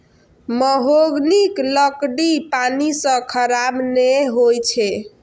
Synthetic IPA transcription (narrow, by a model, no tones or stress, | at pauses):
məɦoɡnikləkɖipanisə̃kʰəɾabneɦojt͡ʃʰɛ